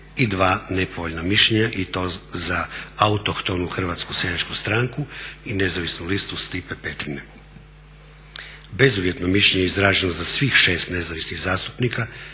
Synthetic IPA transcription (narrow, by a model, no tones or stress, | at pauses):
id̪ʋaːne̞po̞ʋoʎnamiʃʎeɲaʔit̪o̞ːzaaut̪okt̪o̞nuxr̩ʋat̪skusjedat͡ʃkust̪ɾaːŋkuine̞zaʋisnulist̪ust̪ipepet̪ɾine | be̞zuʋjet̪nomiʃʎeɲeeizɾaːʒenozasʋiːxʃe̞ːst̪ne̞zaʋisniɣzaːst̪upnika